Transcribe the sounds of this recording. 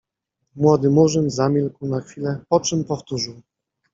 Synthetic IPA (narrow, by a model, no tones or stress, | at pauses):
mwɔd̪ɘmuʐɘmzamʲilkwnaxfʲilɛpɔt͡ʂɘmpɔft̪uʐɘw